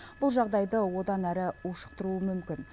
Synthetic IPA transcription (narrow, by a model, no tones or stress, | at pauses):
b̥ʊlˠʒɑʁd̪ɑjd̪əwo̞d̪ɑnæɾɪuʃə̥q̚t̪əɾuəmʏmkʲɪn